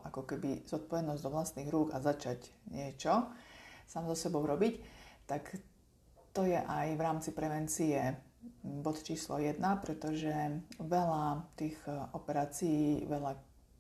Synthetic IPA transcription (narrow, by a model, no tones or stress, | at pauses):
ʔakɔkɛbiz̥ɔt̪̚pɔʋɛd̪nɔzd̪ɔʋlast̪niːɣɾuːɡazat͡ʃaɟɲɪɛt͡ʃɔ | saːmzɔsɛbɔʊɾɔbict̪ak | t̪ɔjɛʔajʋɾaːmt͡sipɾɛʋɛnt͡siɛ | bɔt̪t͡ʃiːslɔ̰jɛd̪napɾɛt̪ɔʒɛʋɛlat̪iːɣɔpɛɾaːt͡sijiːʋɛʎa